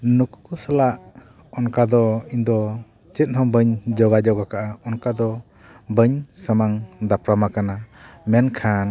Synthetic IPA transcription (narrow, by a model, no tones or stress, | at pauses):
nuku̥kusalaʔ | ɔnkad̪ɔind̪ɔ | t͡ʃɛt̪̚hɔmbəɲd͡ʒɔɡad͡ʒɔɡakaʔaɔnkad̪ɔ | bəɲsəmaŋd̪apɾamakanamɛnkʰan